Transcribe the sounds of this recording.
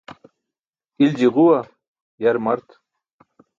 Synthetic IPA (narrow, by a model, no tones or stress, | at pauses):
ɪld͡ʒɪʁʊwa | jaɾmaɾt̪